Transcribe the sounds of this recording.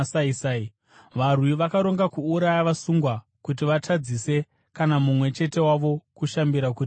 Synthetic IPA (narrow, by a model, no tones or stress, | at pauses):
saisai | ʋarwiʋakaɾo̞ŋɡakuːɾajaʋasuŋɡwa | kut̬iʋatʰad͡zise̞ | kanamumwe̞t͡ʃe̞te̞waʋo̞kuʃambiɾakuːti